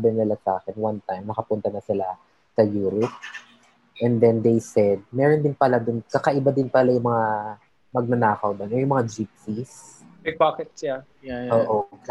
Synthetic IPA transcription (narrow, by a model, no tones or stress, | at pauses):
bɛnɐlɐsʔaːkɛnwant̪ajmnɐkɐpʊnt̪ɐnɐsɪla | sɐjuːɾɪp̚ | ʔɛnd̪ɛnd̪ejsɛd̪̚mɛːɾond̪ɪnpɐlad̪ʊnkɐkɐʔɪbad̪ɪnpɐlajʊŋmɐŋa | mɐɡ̚nɐnaːkɐwd̪ɐnojʊmɐŋad͡ʒip̚sismɐjpaːkɛt̪̚sa | ʔoːʔo